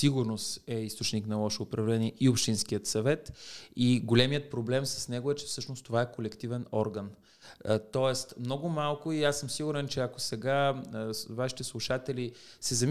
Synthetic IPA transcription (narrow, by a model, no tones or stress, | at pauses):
siɡʊɾnost̪ɛist̪ot͡ʃniknɐlˠɔʃoːpɾɐvlɛniɛiopʃt̪inskijət̪sɐvɛt̪iɡolʲɛmiət̪̚pɾoblɛmsə̥snɛɡʊɛt͡ʃɛ̥fsɤʃnost̪ovaɛkolɛkt̪ivɛnɔɾɡən | t̪ɔɛst̪mnɔɡʊmalˠkʊiasːɤmsiɡuɾɛnt͡ʃɛɐko̥sɛɡa | vaʃi̥t̪ɛslˠuʃat̪ɛlisɛzɐm